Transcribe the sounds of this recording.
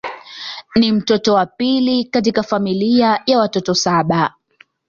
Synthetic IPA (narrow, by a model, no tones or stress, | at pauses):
nim̩tɔtɔwapilikat̬ikafamiliajawatɔtɔsaɓa